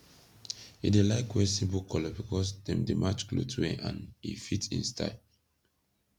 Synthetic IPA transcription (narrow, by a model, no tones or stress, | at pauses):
ḭdelaɪkwɛsĩbokɔləbikʰɔs̬dɛ̃mdemʔat͡ʃklo̰tʰuɛʔã̰nḭfitḭ̃nsta̰ɪ